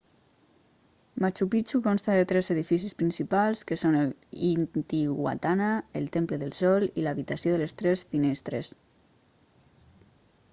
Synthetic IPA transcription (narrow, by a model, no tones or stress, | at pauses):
mat͡ʃupit͡ʃukonst̪aðet̪ɾɛzeðifis̬ispɾinsipalˠskəsonelint̪iɣwa̰t̪anaelˠt̪empləðəlˠsɔlilaβit̪asijoðəlest̪ɾesfinest̪ɾḛs